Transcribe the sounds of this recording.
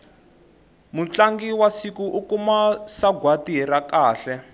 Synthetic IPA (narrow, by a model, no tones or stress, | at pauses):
mut͡ɬaŋɡiwasikuʔukumasaɡwatiɦɛɾakaːɬɛ